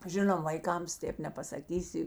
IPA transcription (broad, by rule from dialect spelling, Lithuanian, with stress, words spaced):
ˈʒʲɪnoːm ʋɐɪˈkɐms ˈtʲeːp nʲɛpɐsɐˈkʲiːsʲɪ